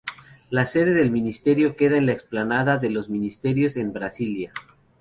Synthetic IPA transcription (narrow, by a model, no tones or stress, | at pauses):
lase̞ðe̞ðe̞lmĩnist̪e̞ɾjo̞ke̞ðaenlaeksplanaðaðe̞lo̞zmĩnist̪e̞ɾjo̞se̞mbɾasilja